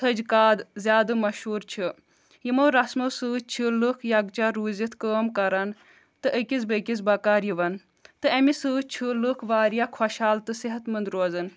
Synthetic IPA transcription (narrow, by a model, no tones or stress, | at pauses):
t̪ʰɐd͡ʒkaːd̪zʲjaːd̪ɨmɐʃɦuːɾt͡ʃʰi | jimoɾɐsmosɨːt͡ʃʰɨlɨkʰjɐɡt͡ʃaɾuːzit̪ʰkəːmkɐɾan | t̪ɨʔəkʲiz̬bəkʲis̬bɐkaːɾjiʋɐn | t̪ɨɐmisɨːt͡ʃʰɨlɨkʰʋaːɾjakʰɐʃaːlt̪ɨsiɦɐt̪mɨnd̪ɾoːzɨn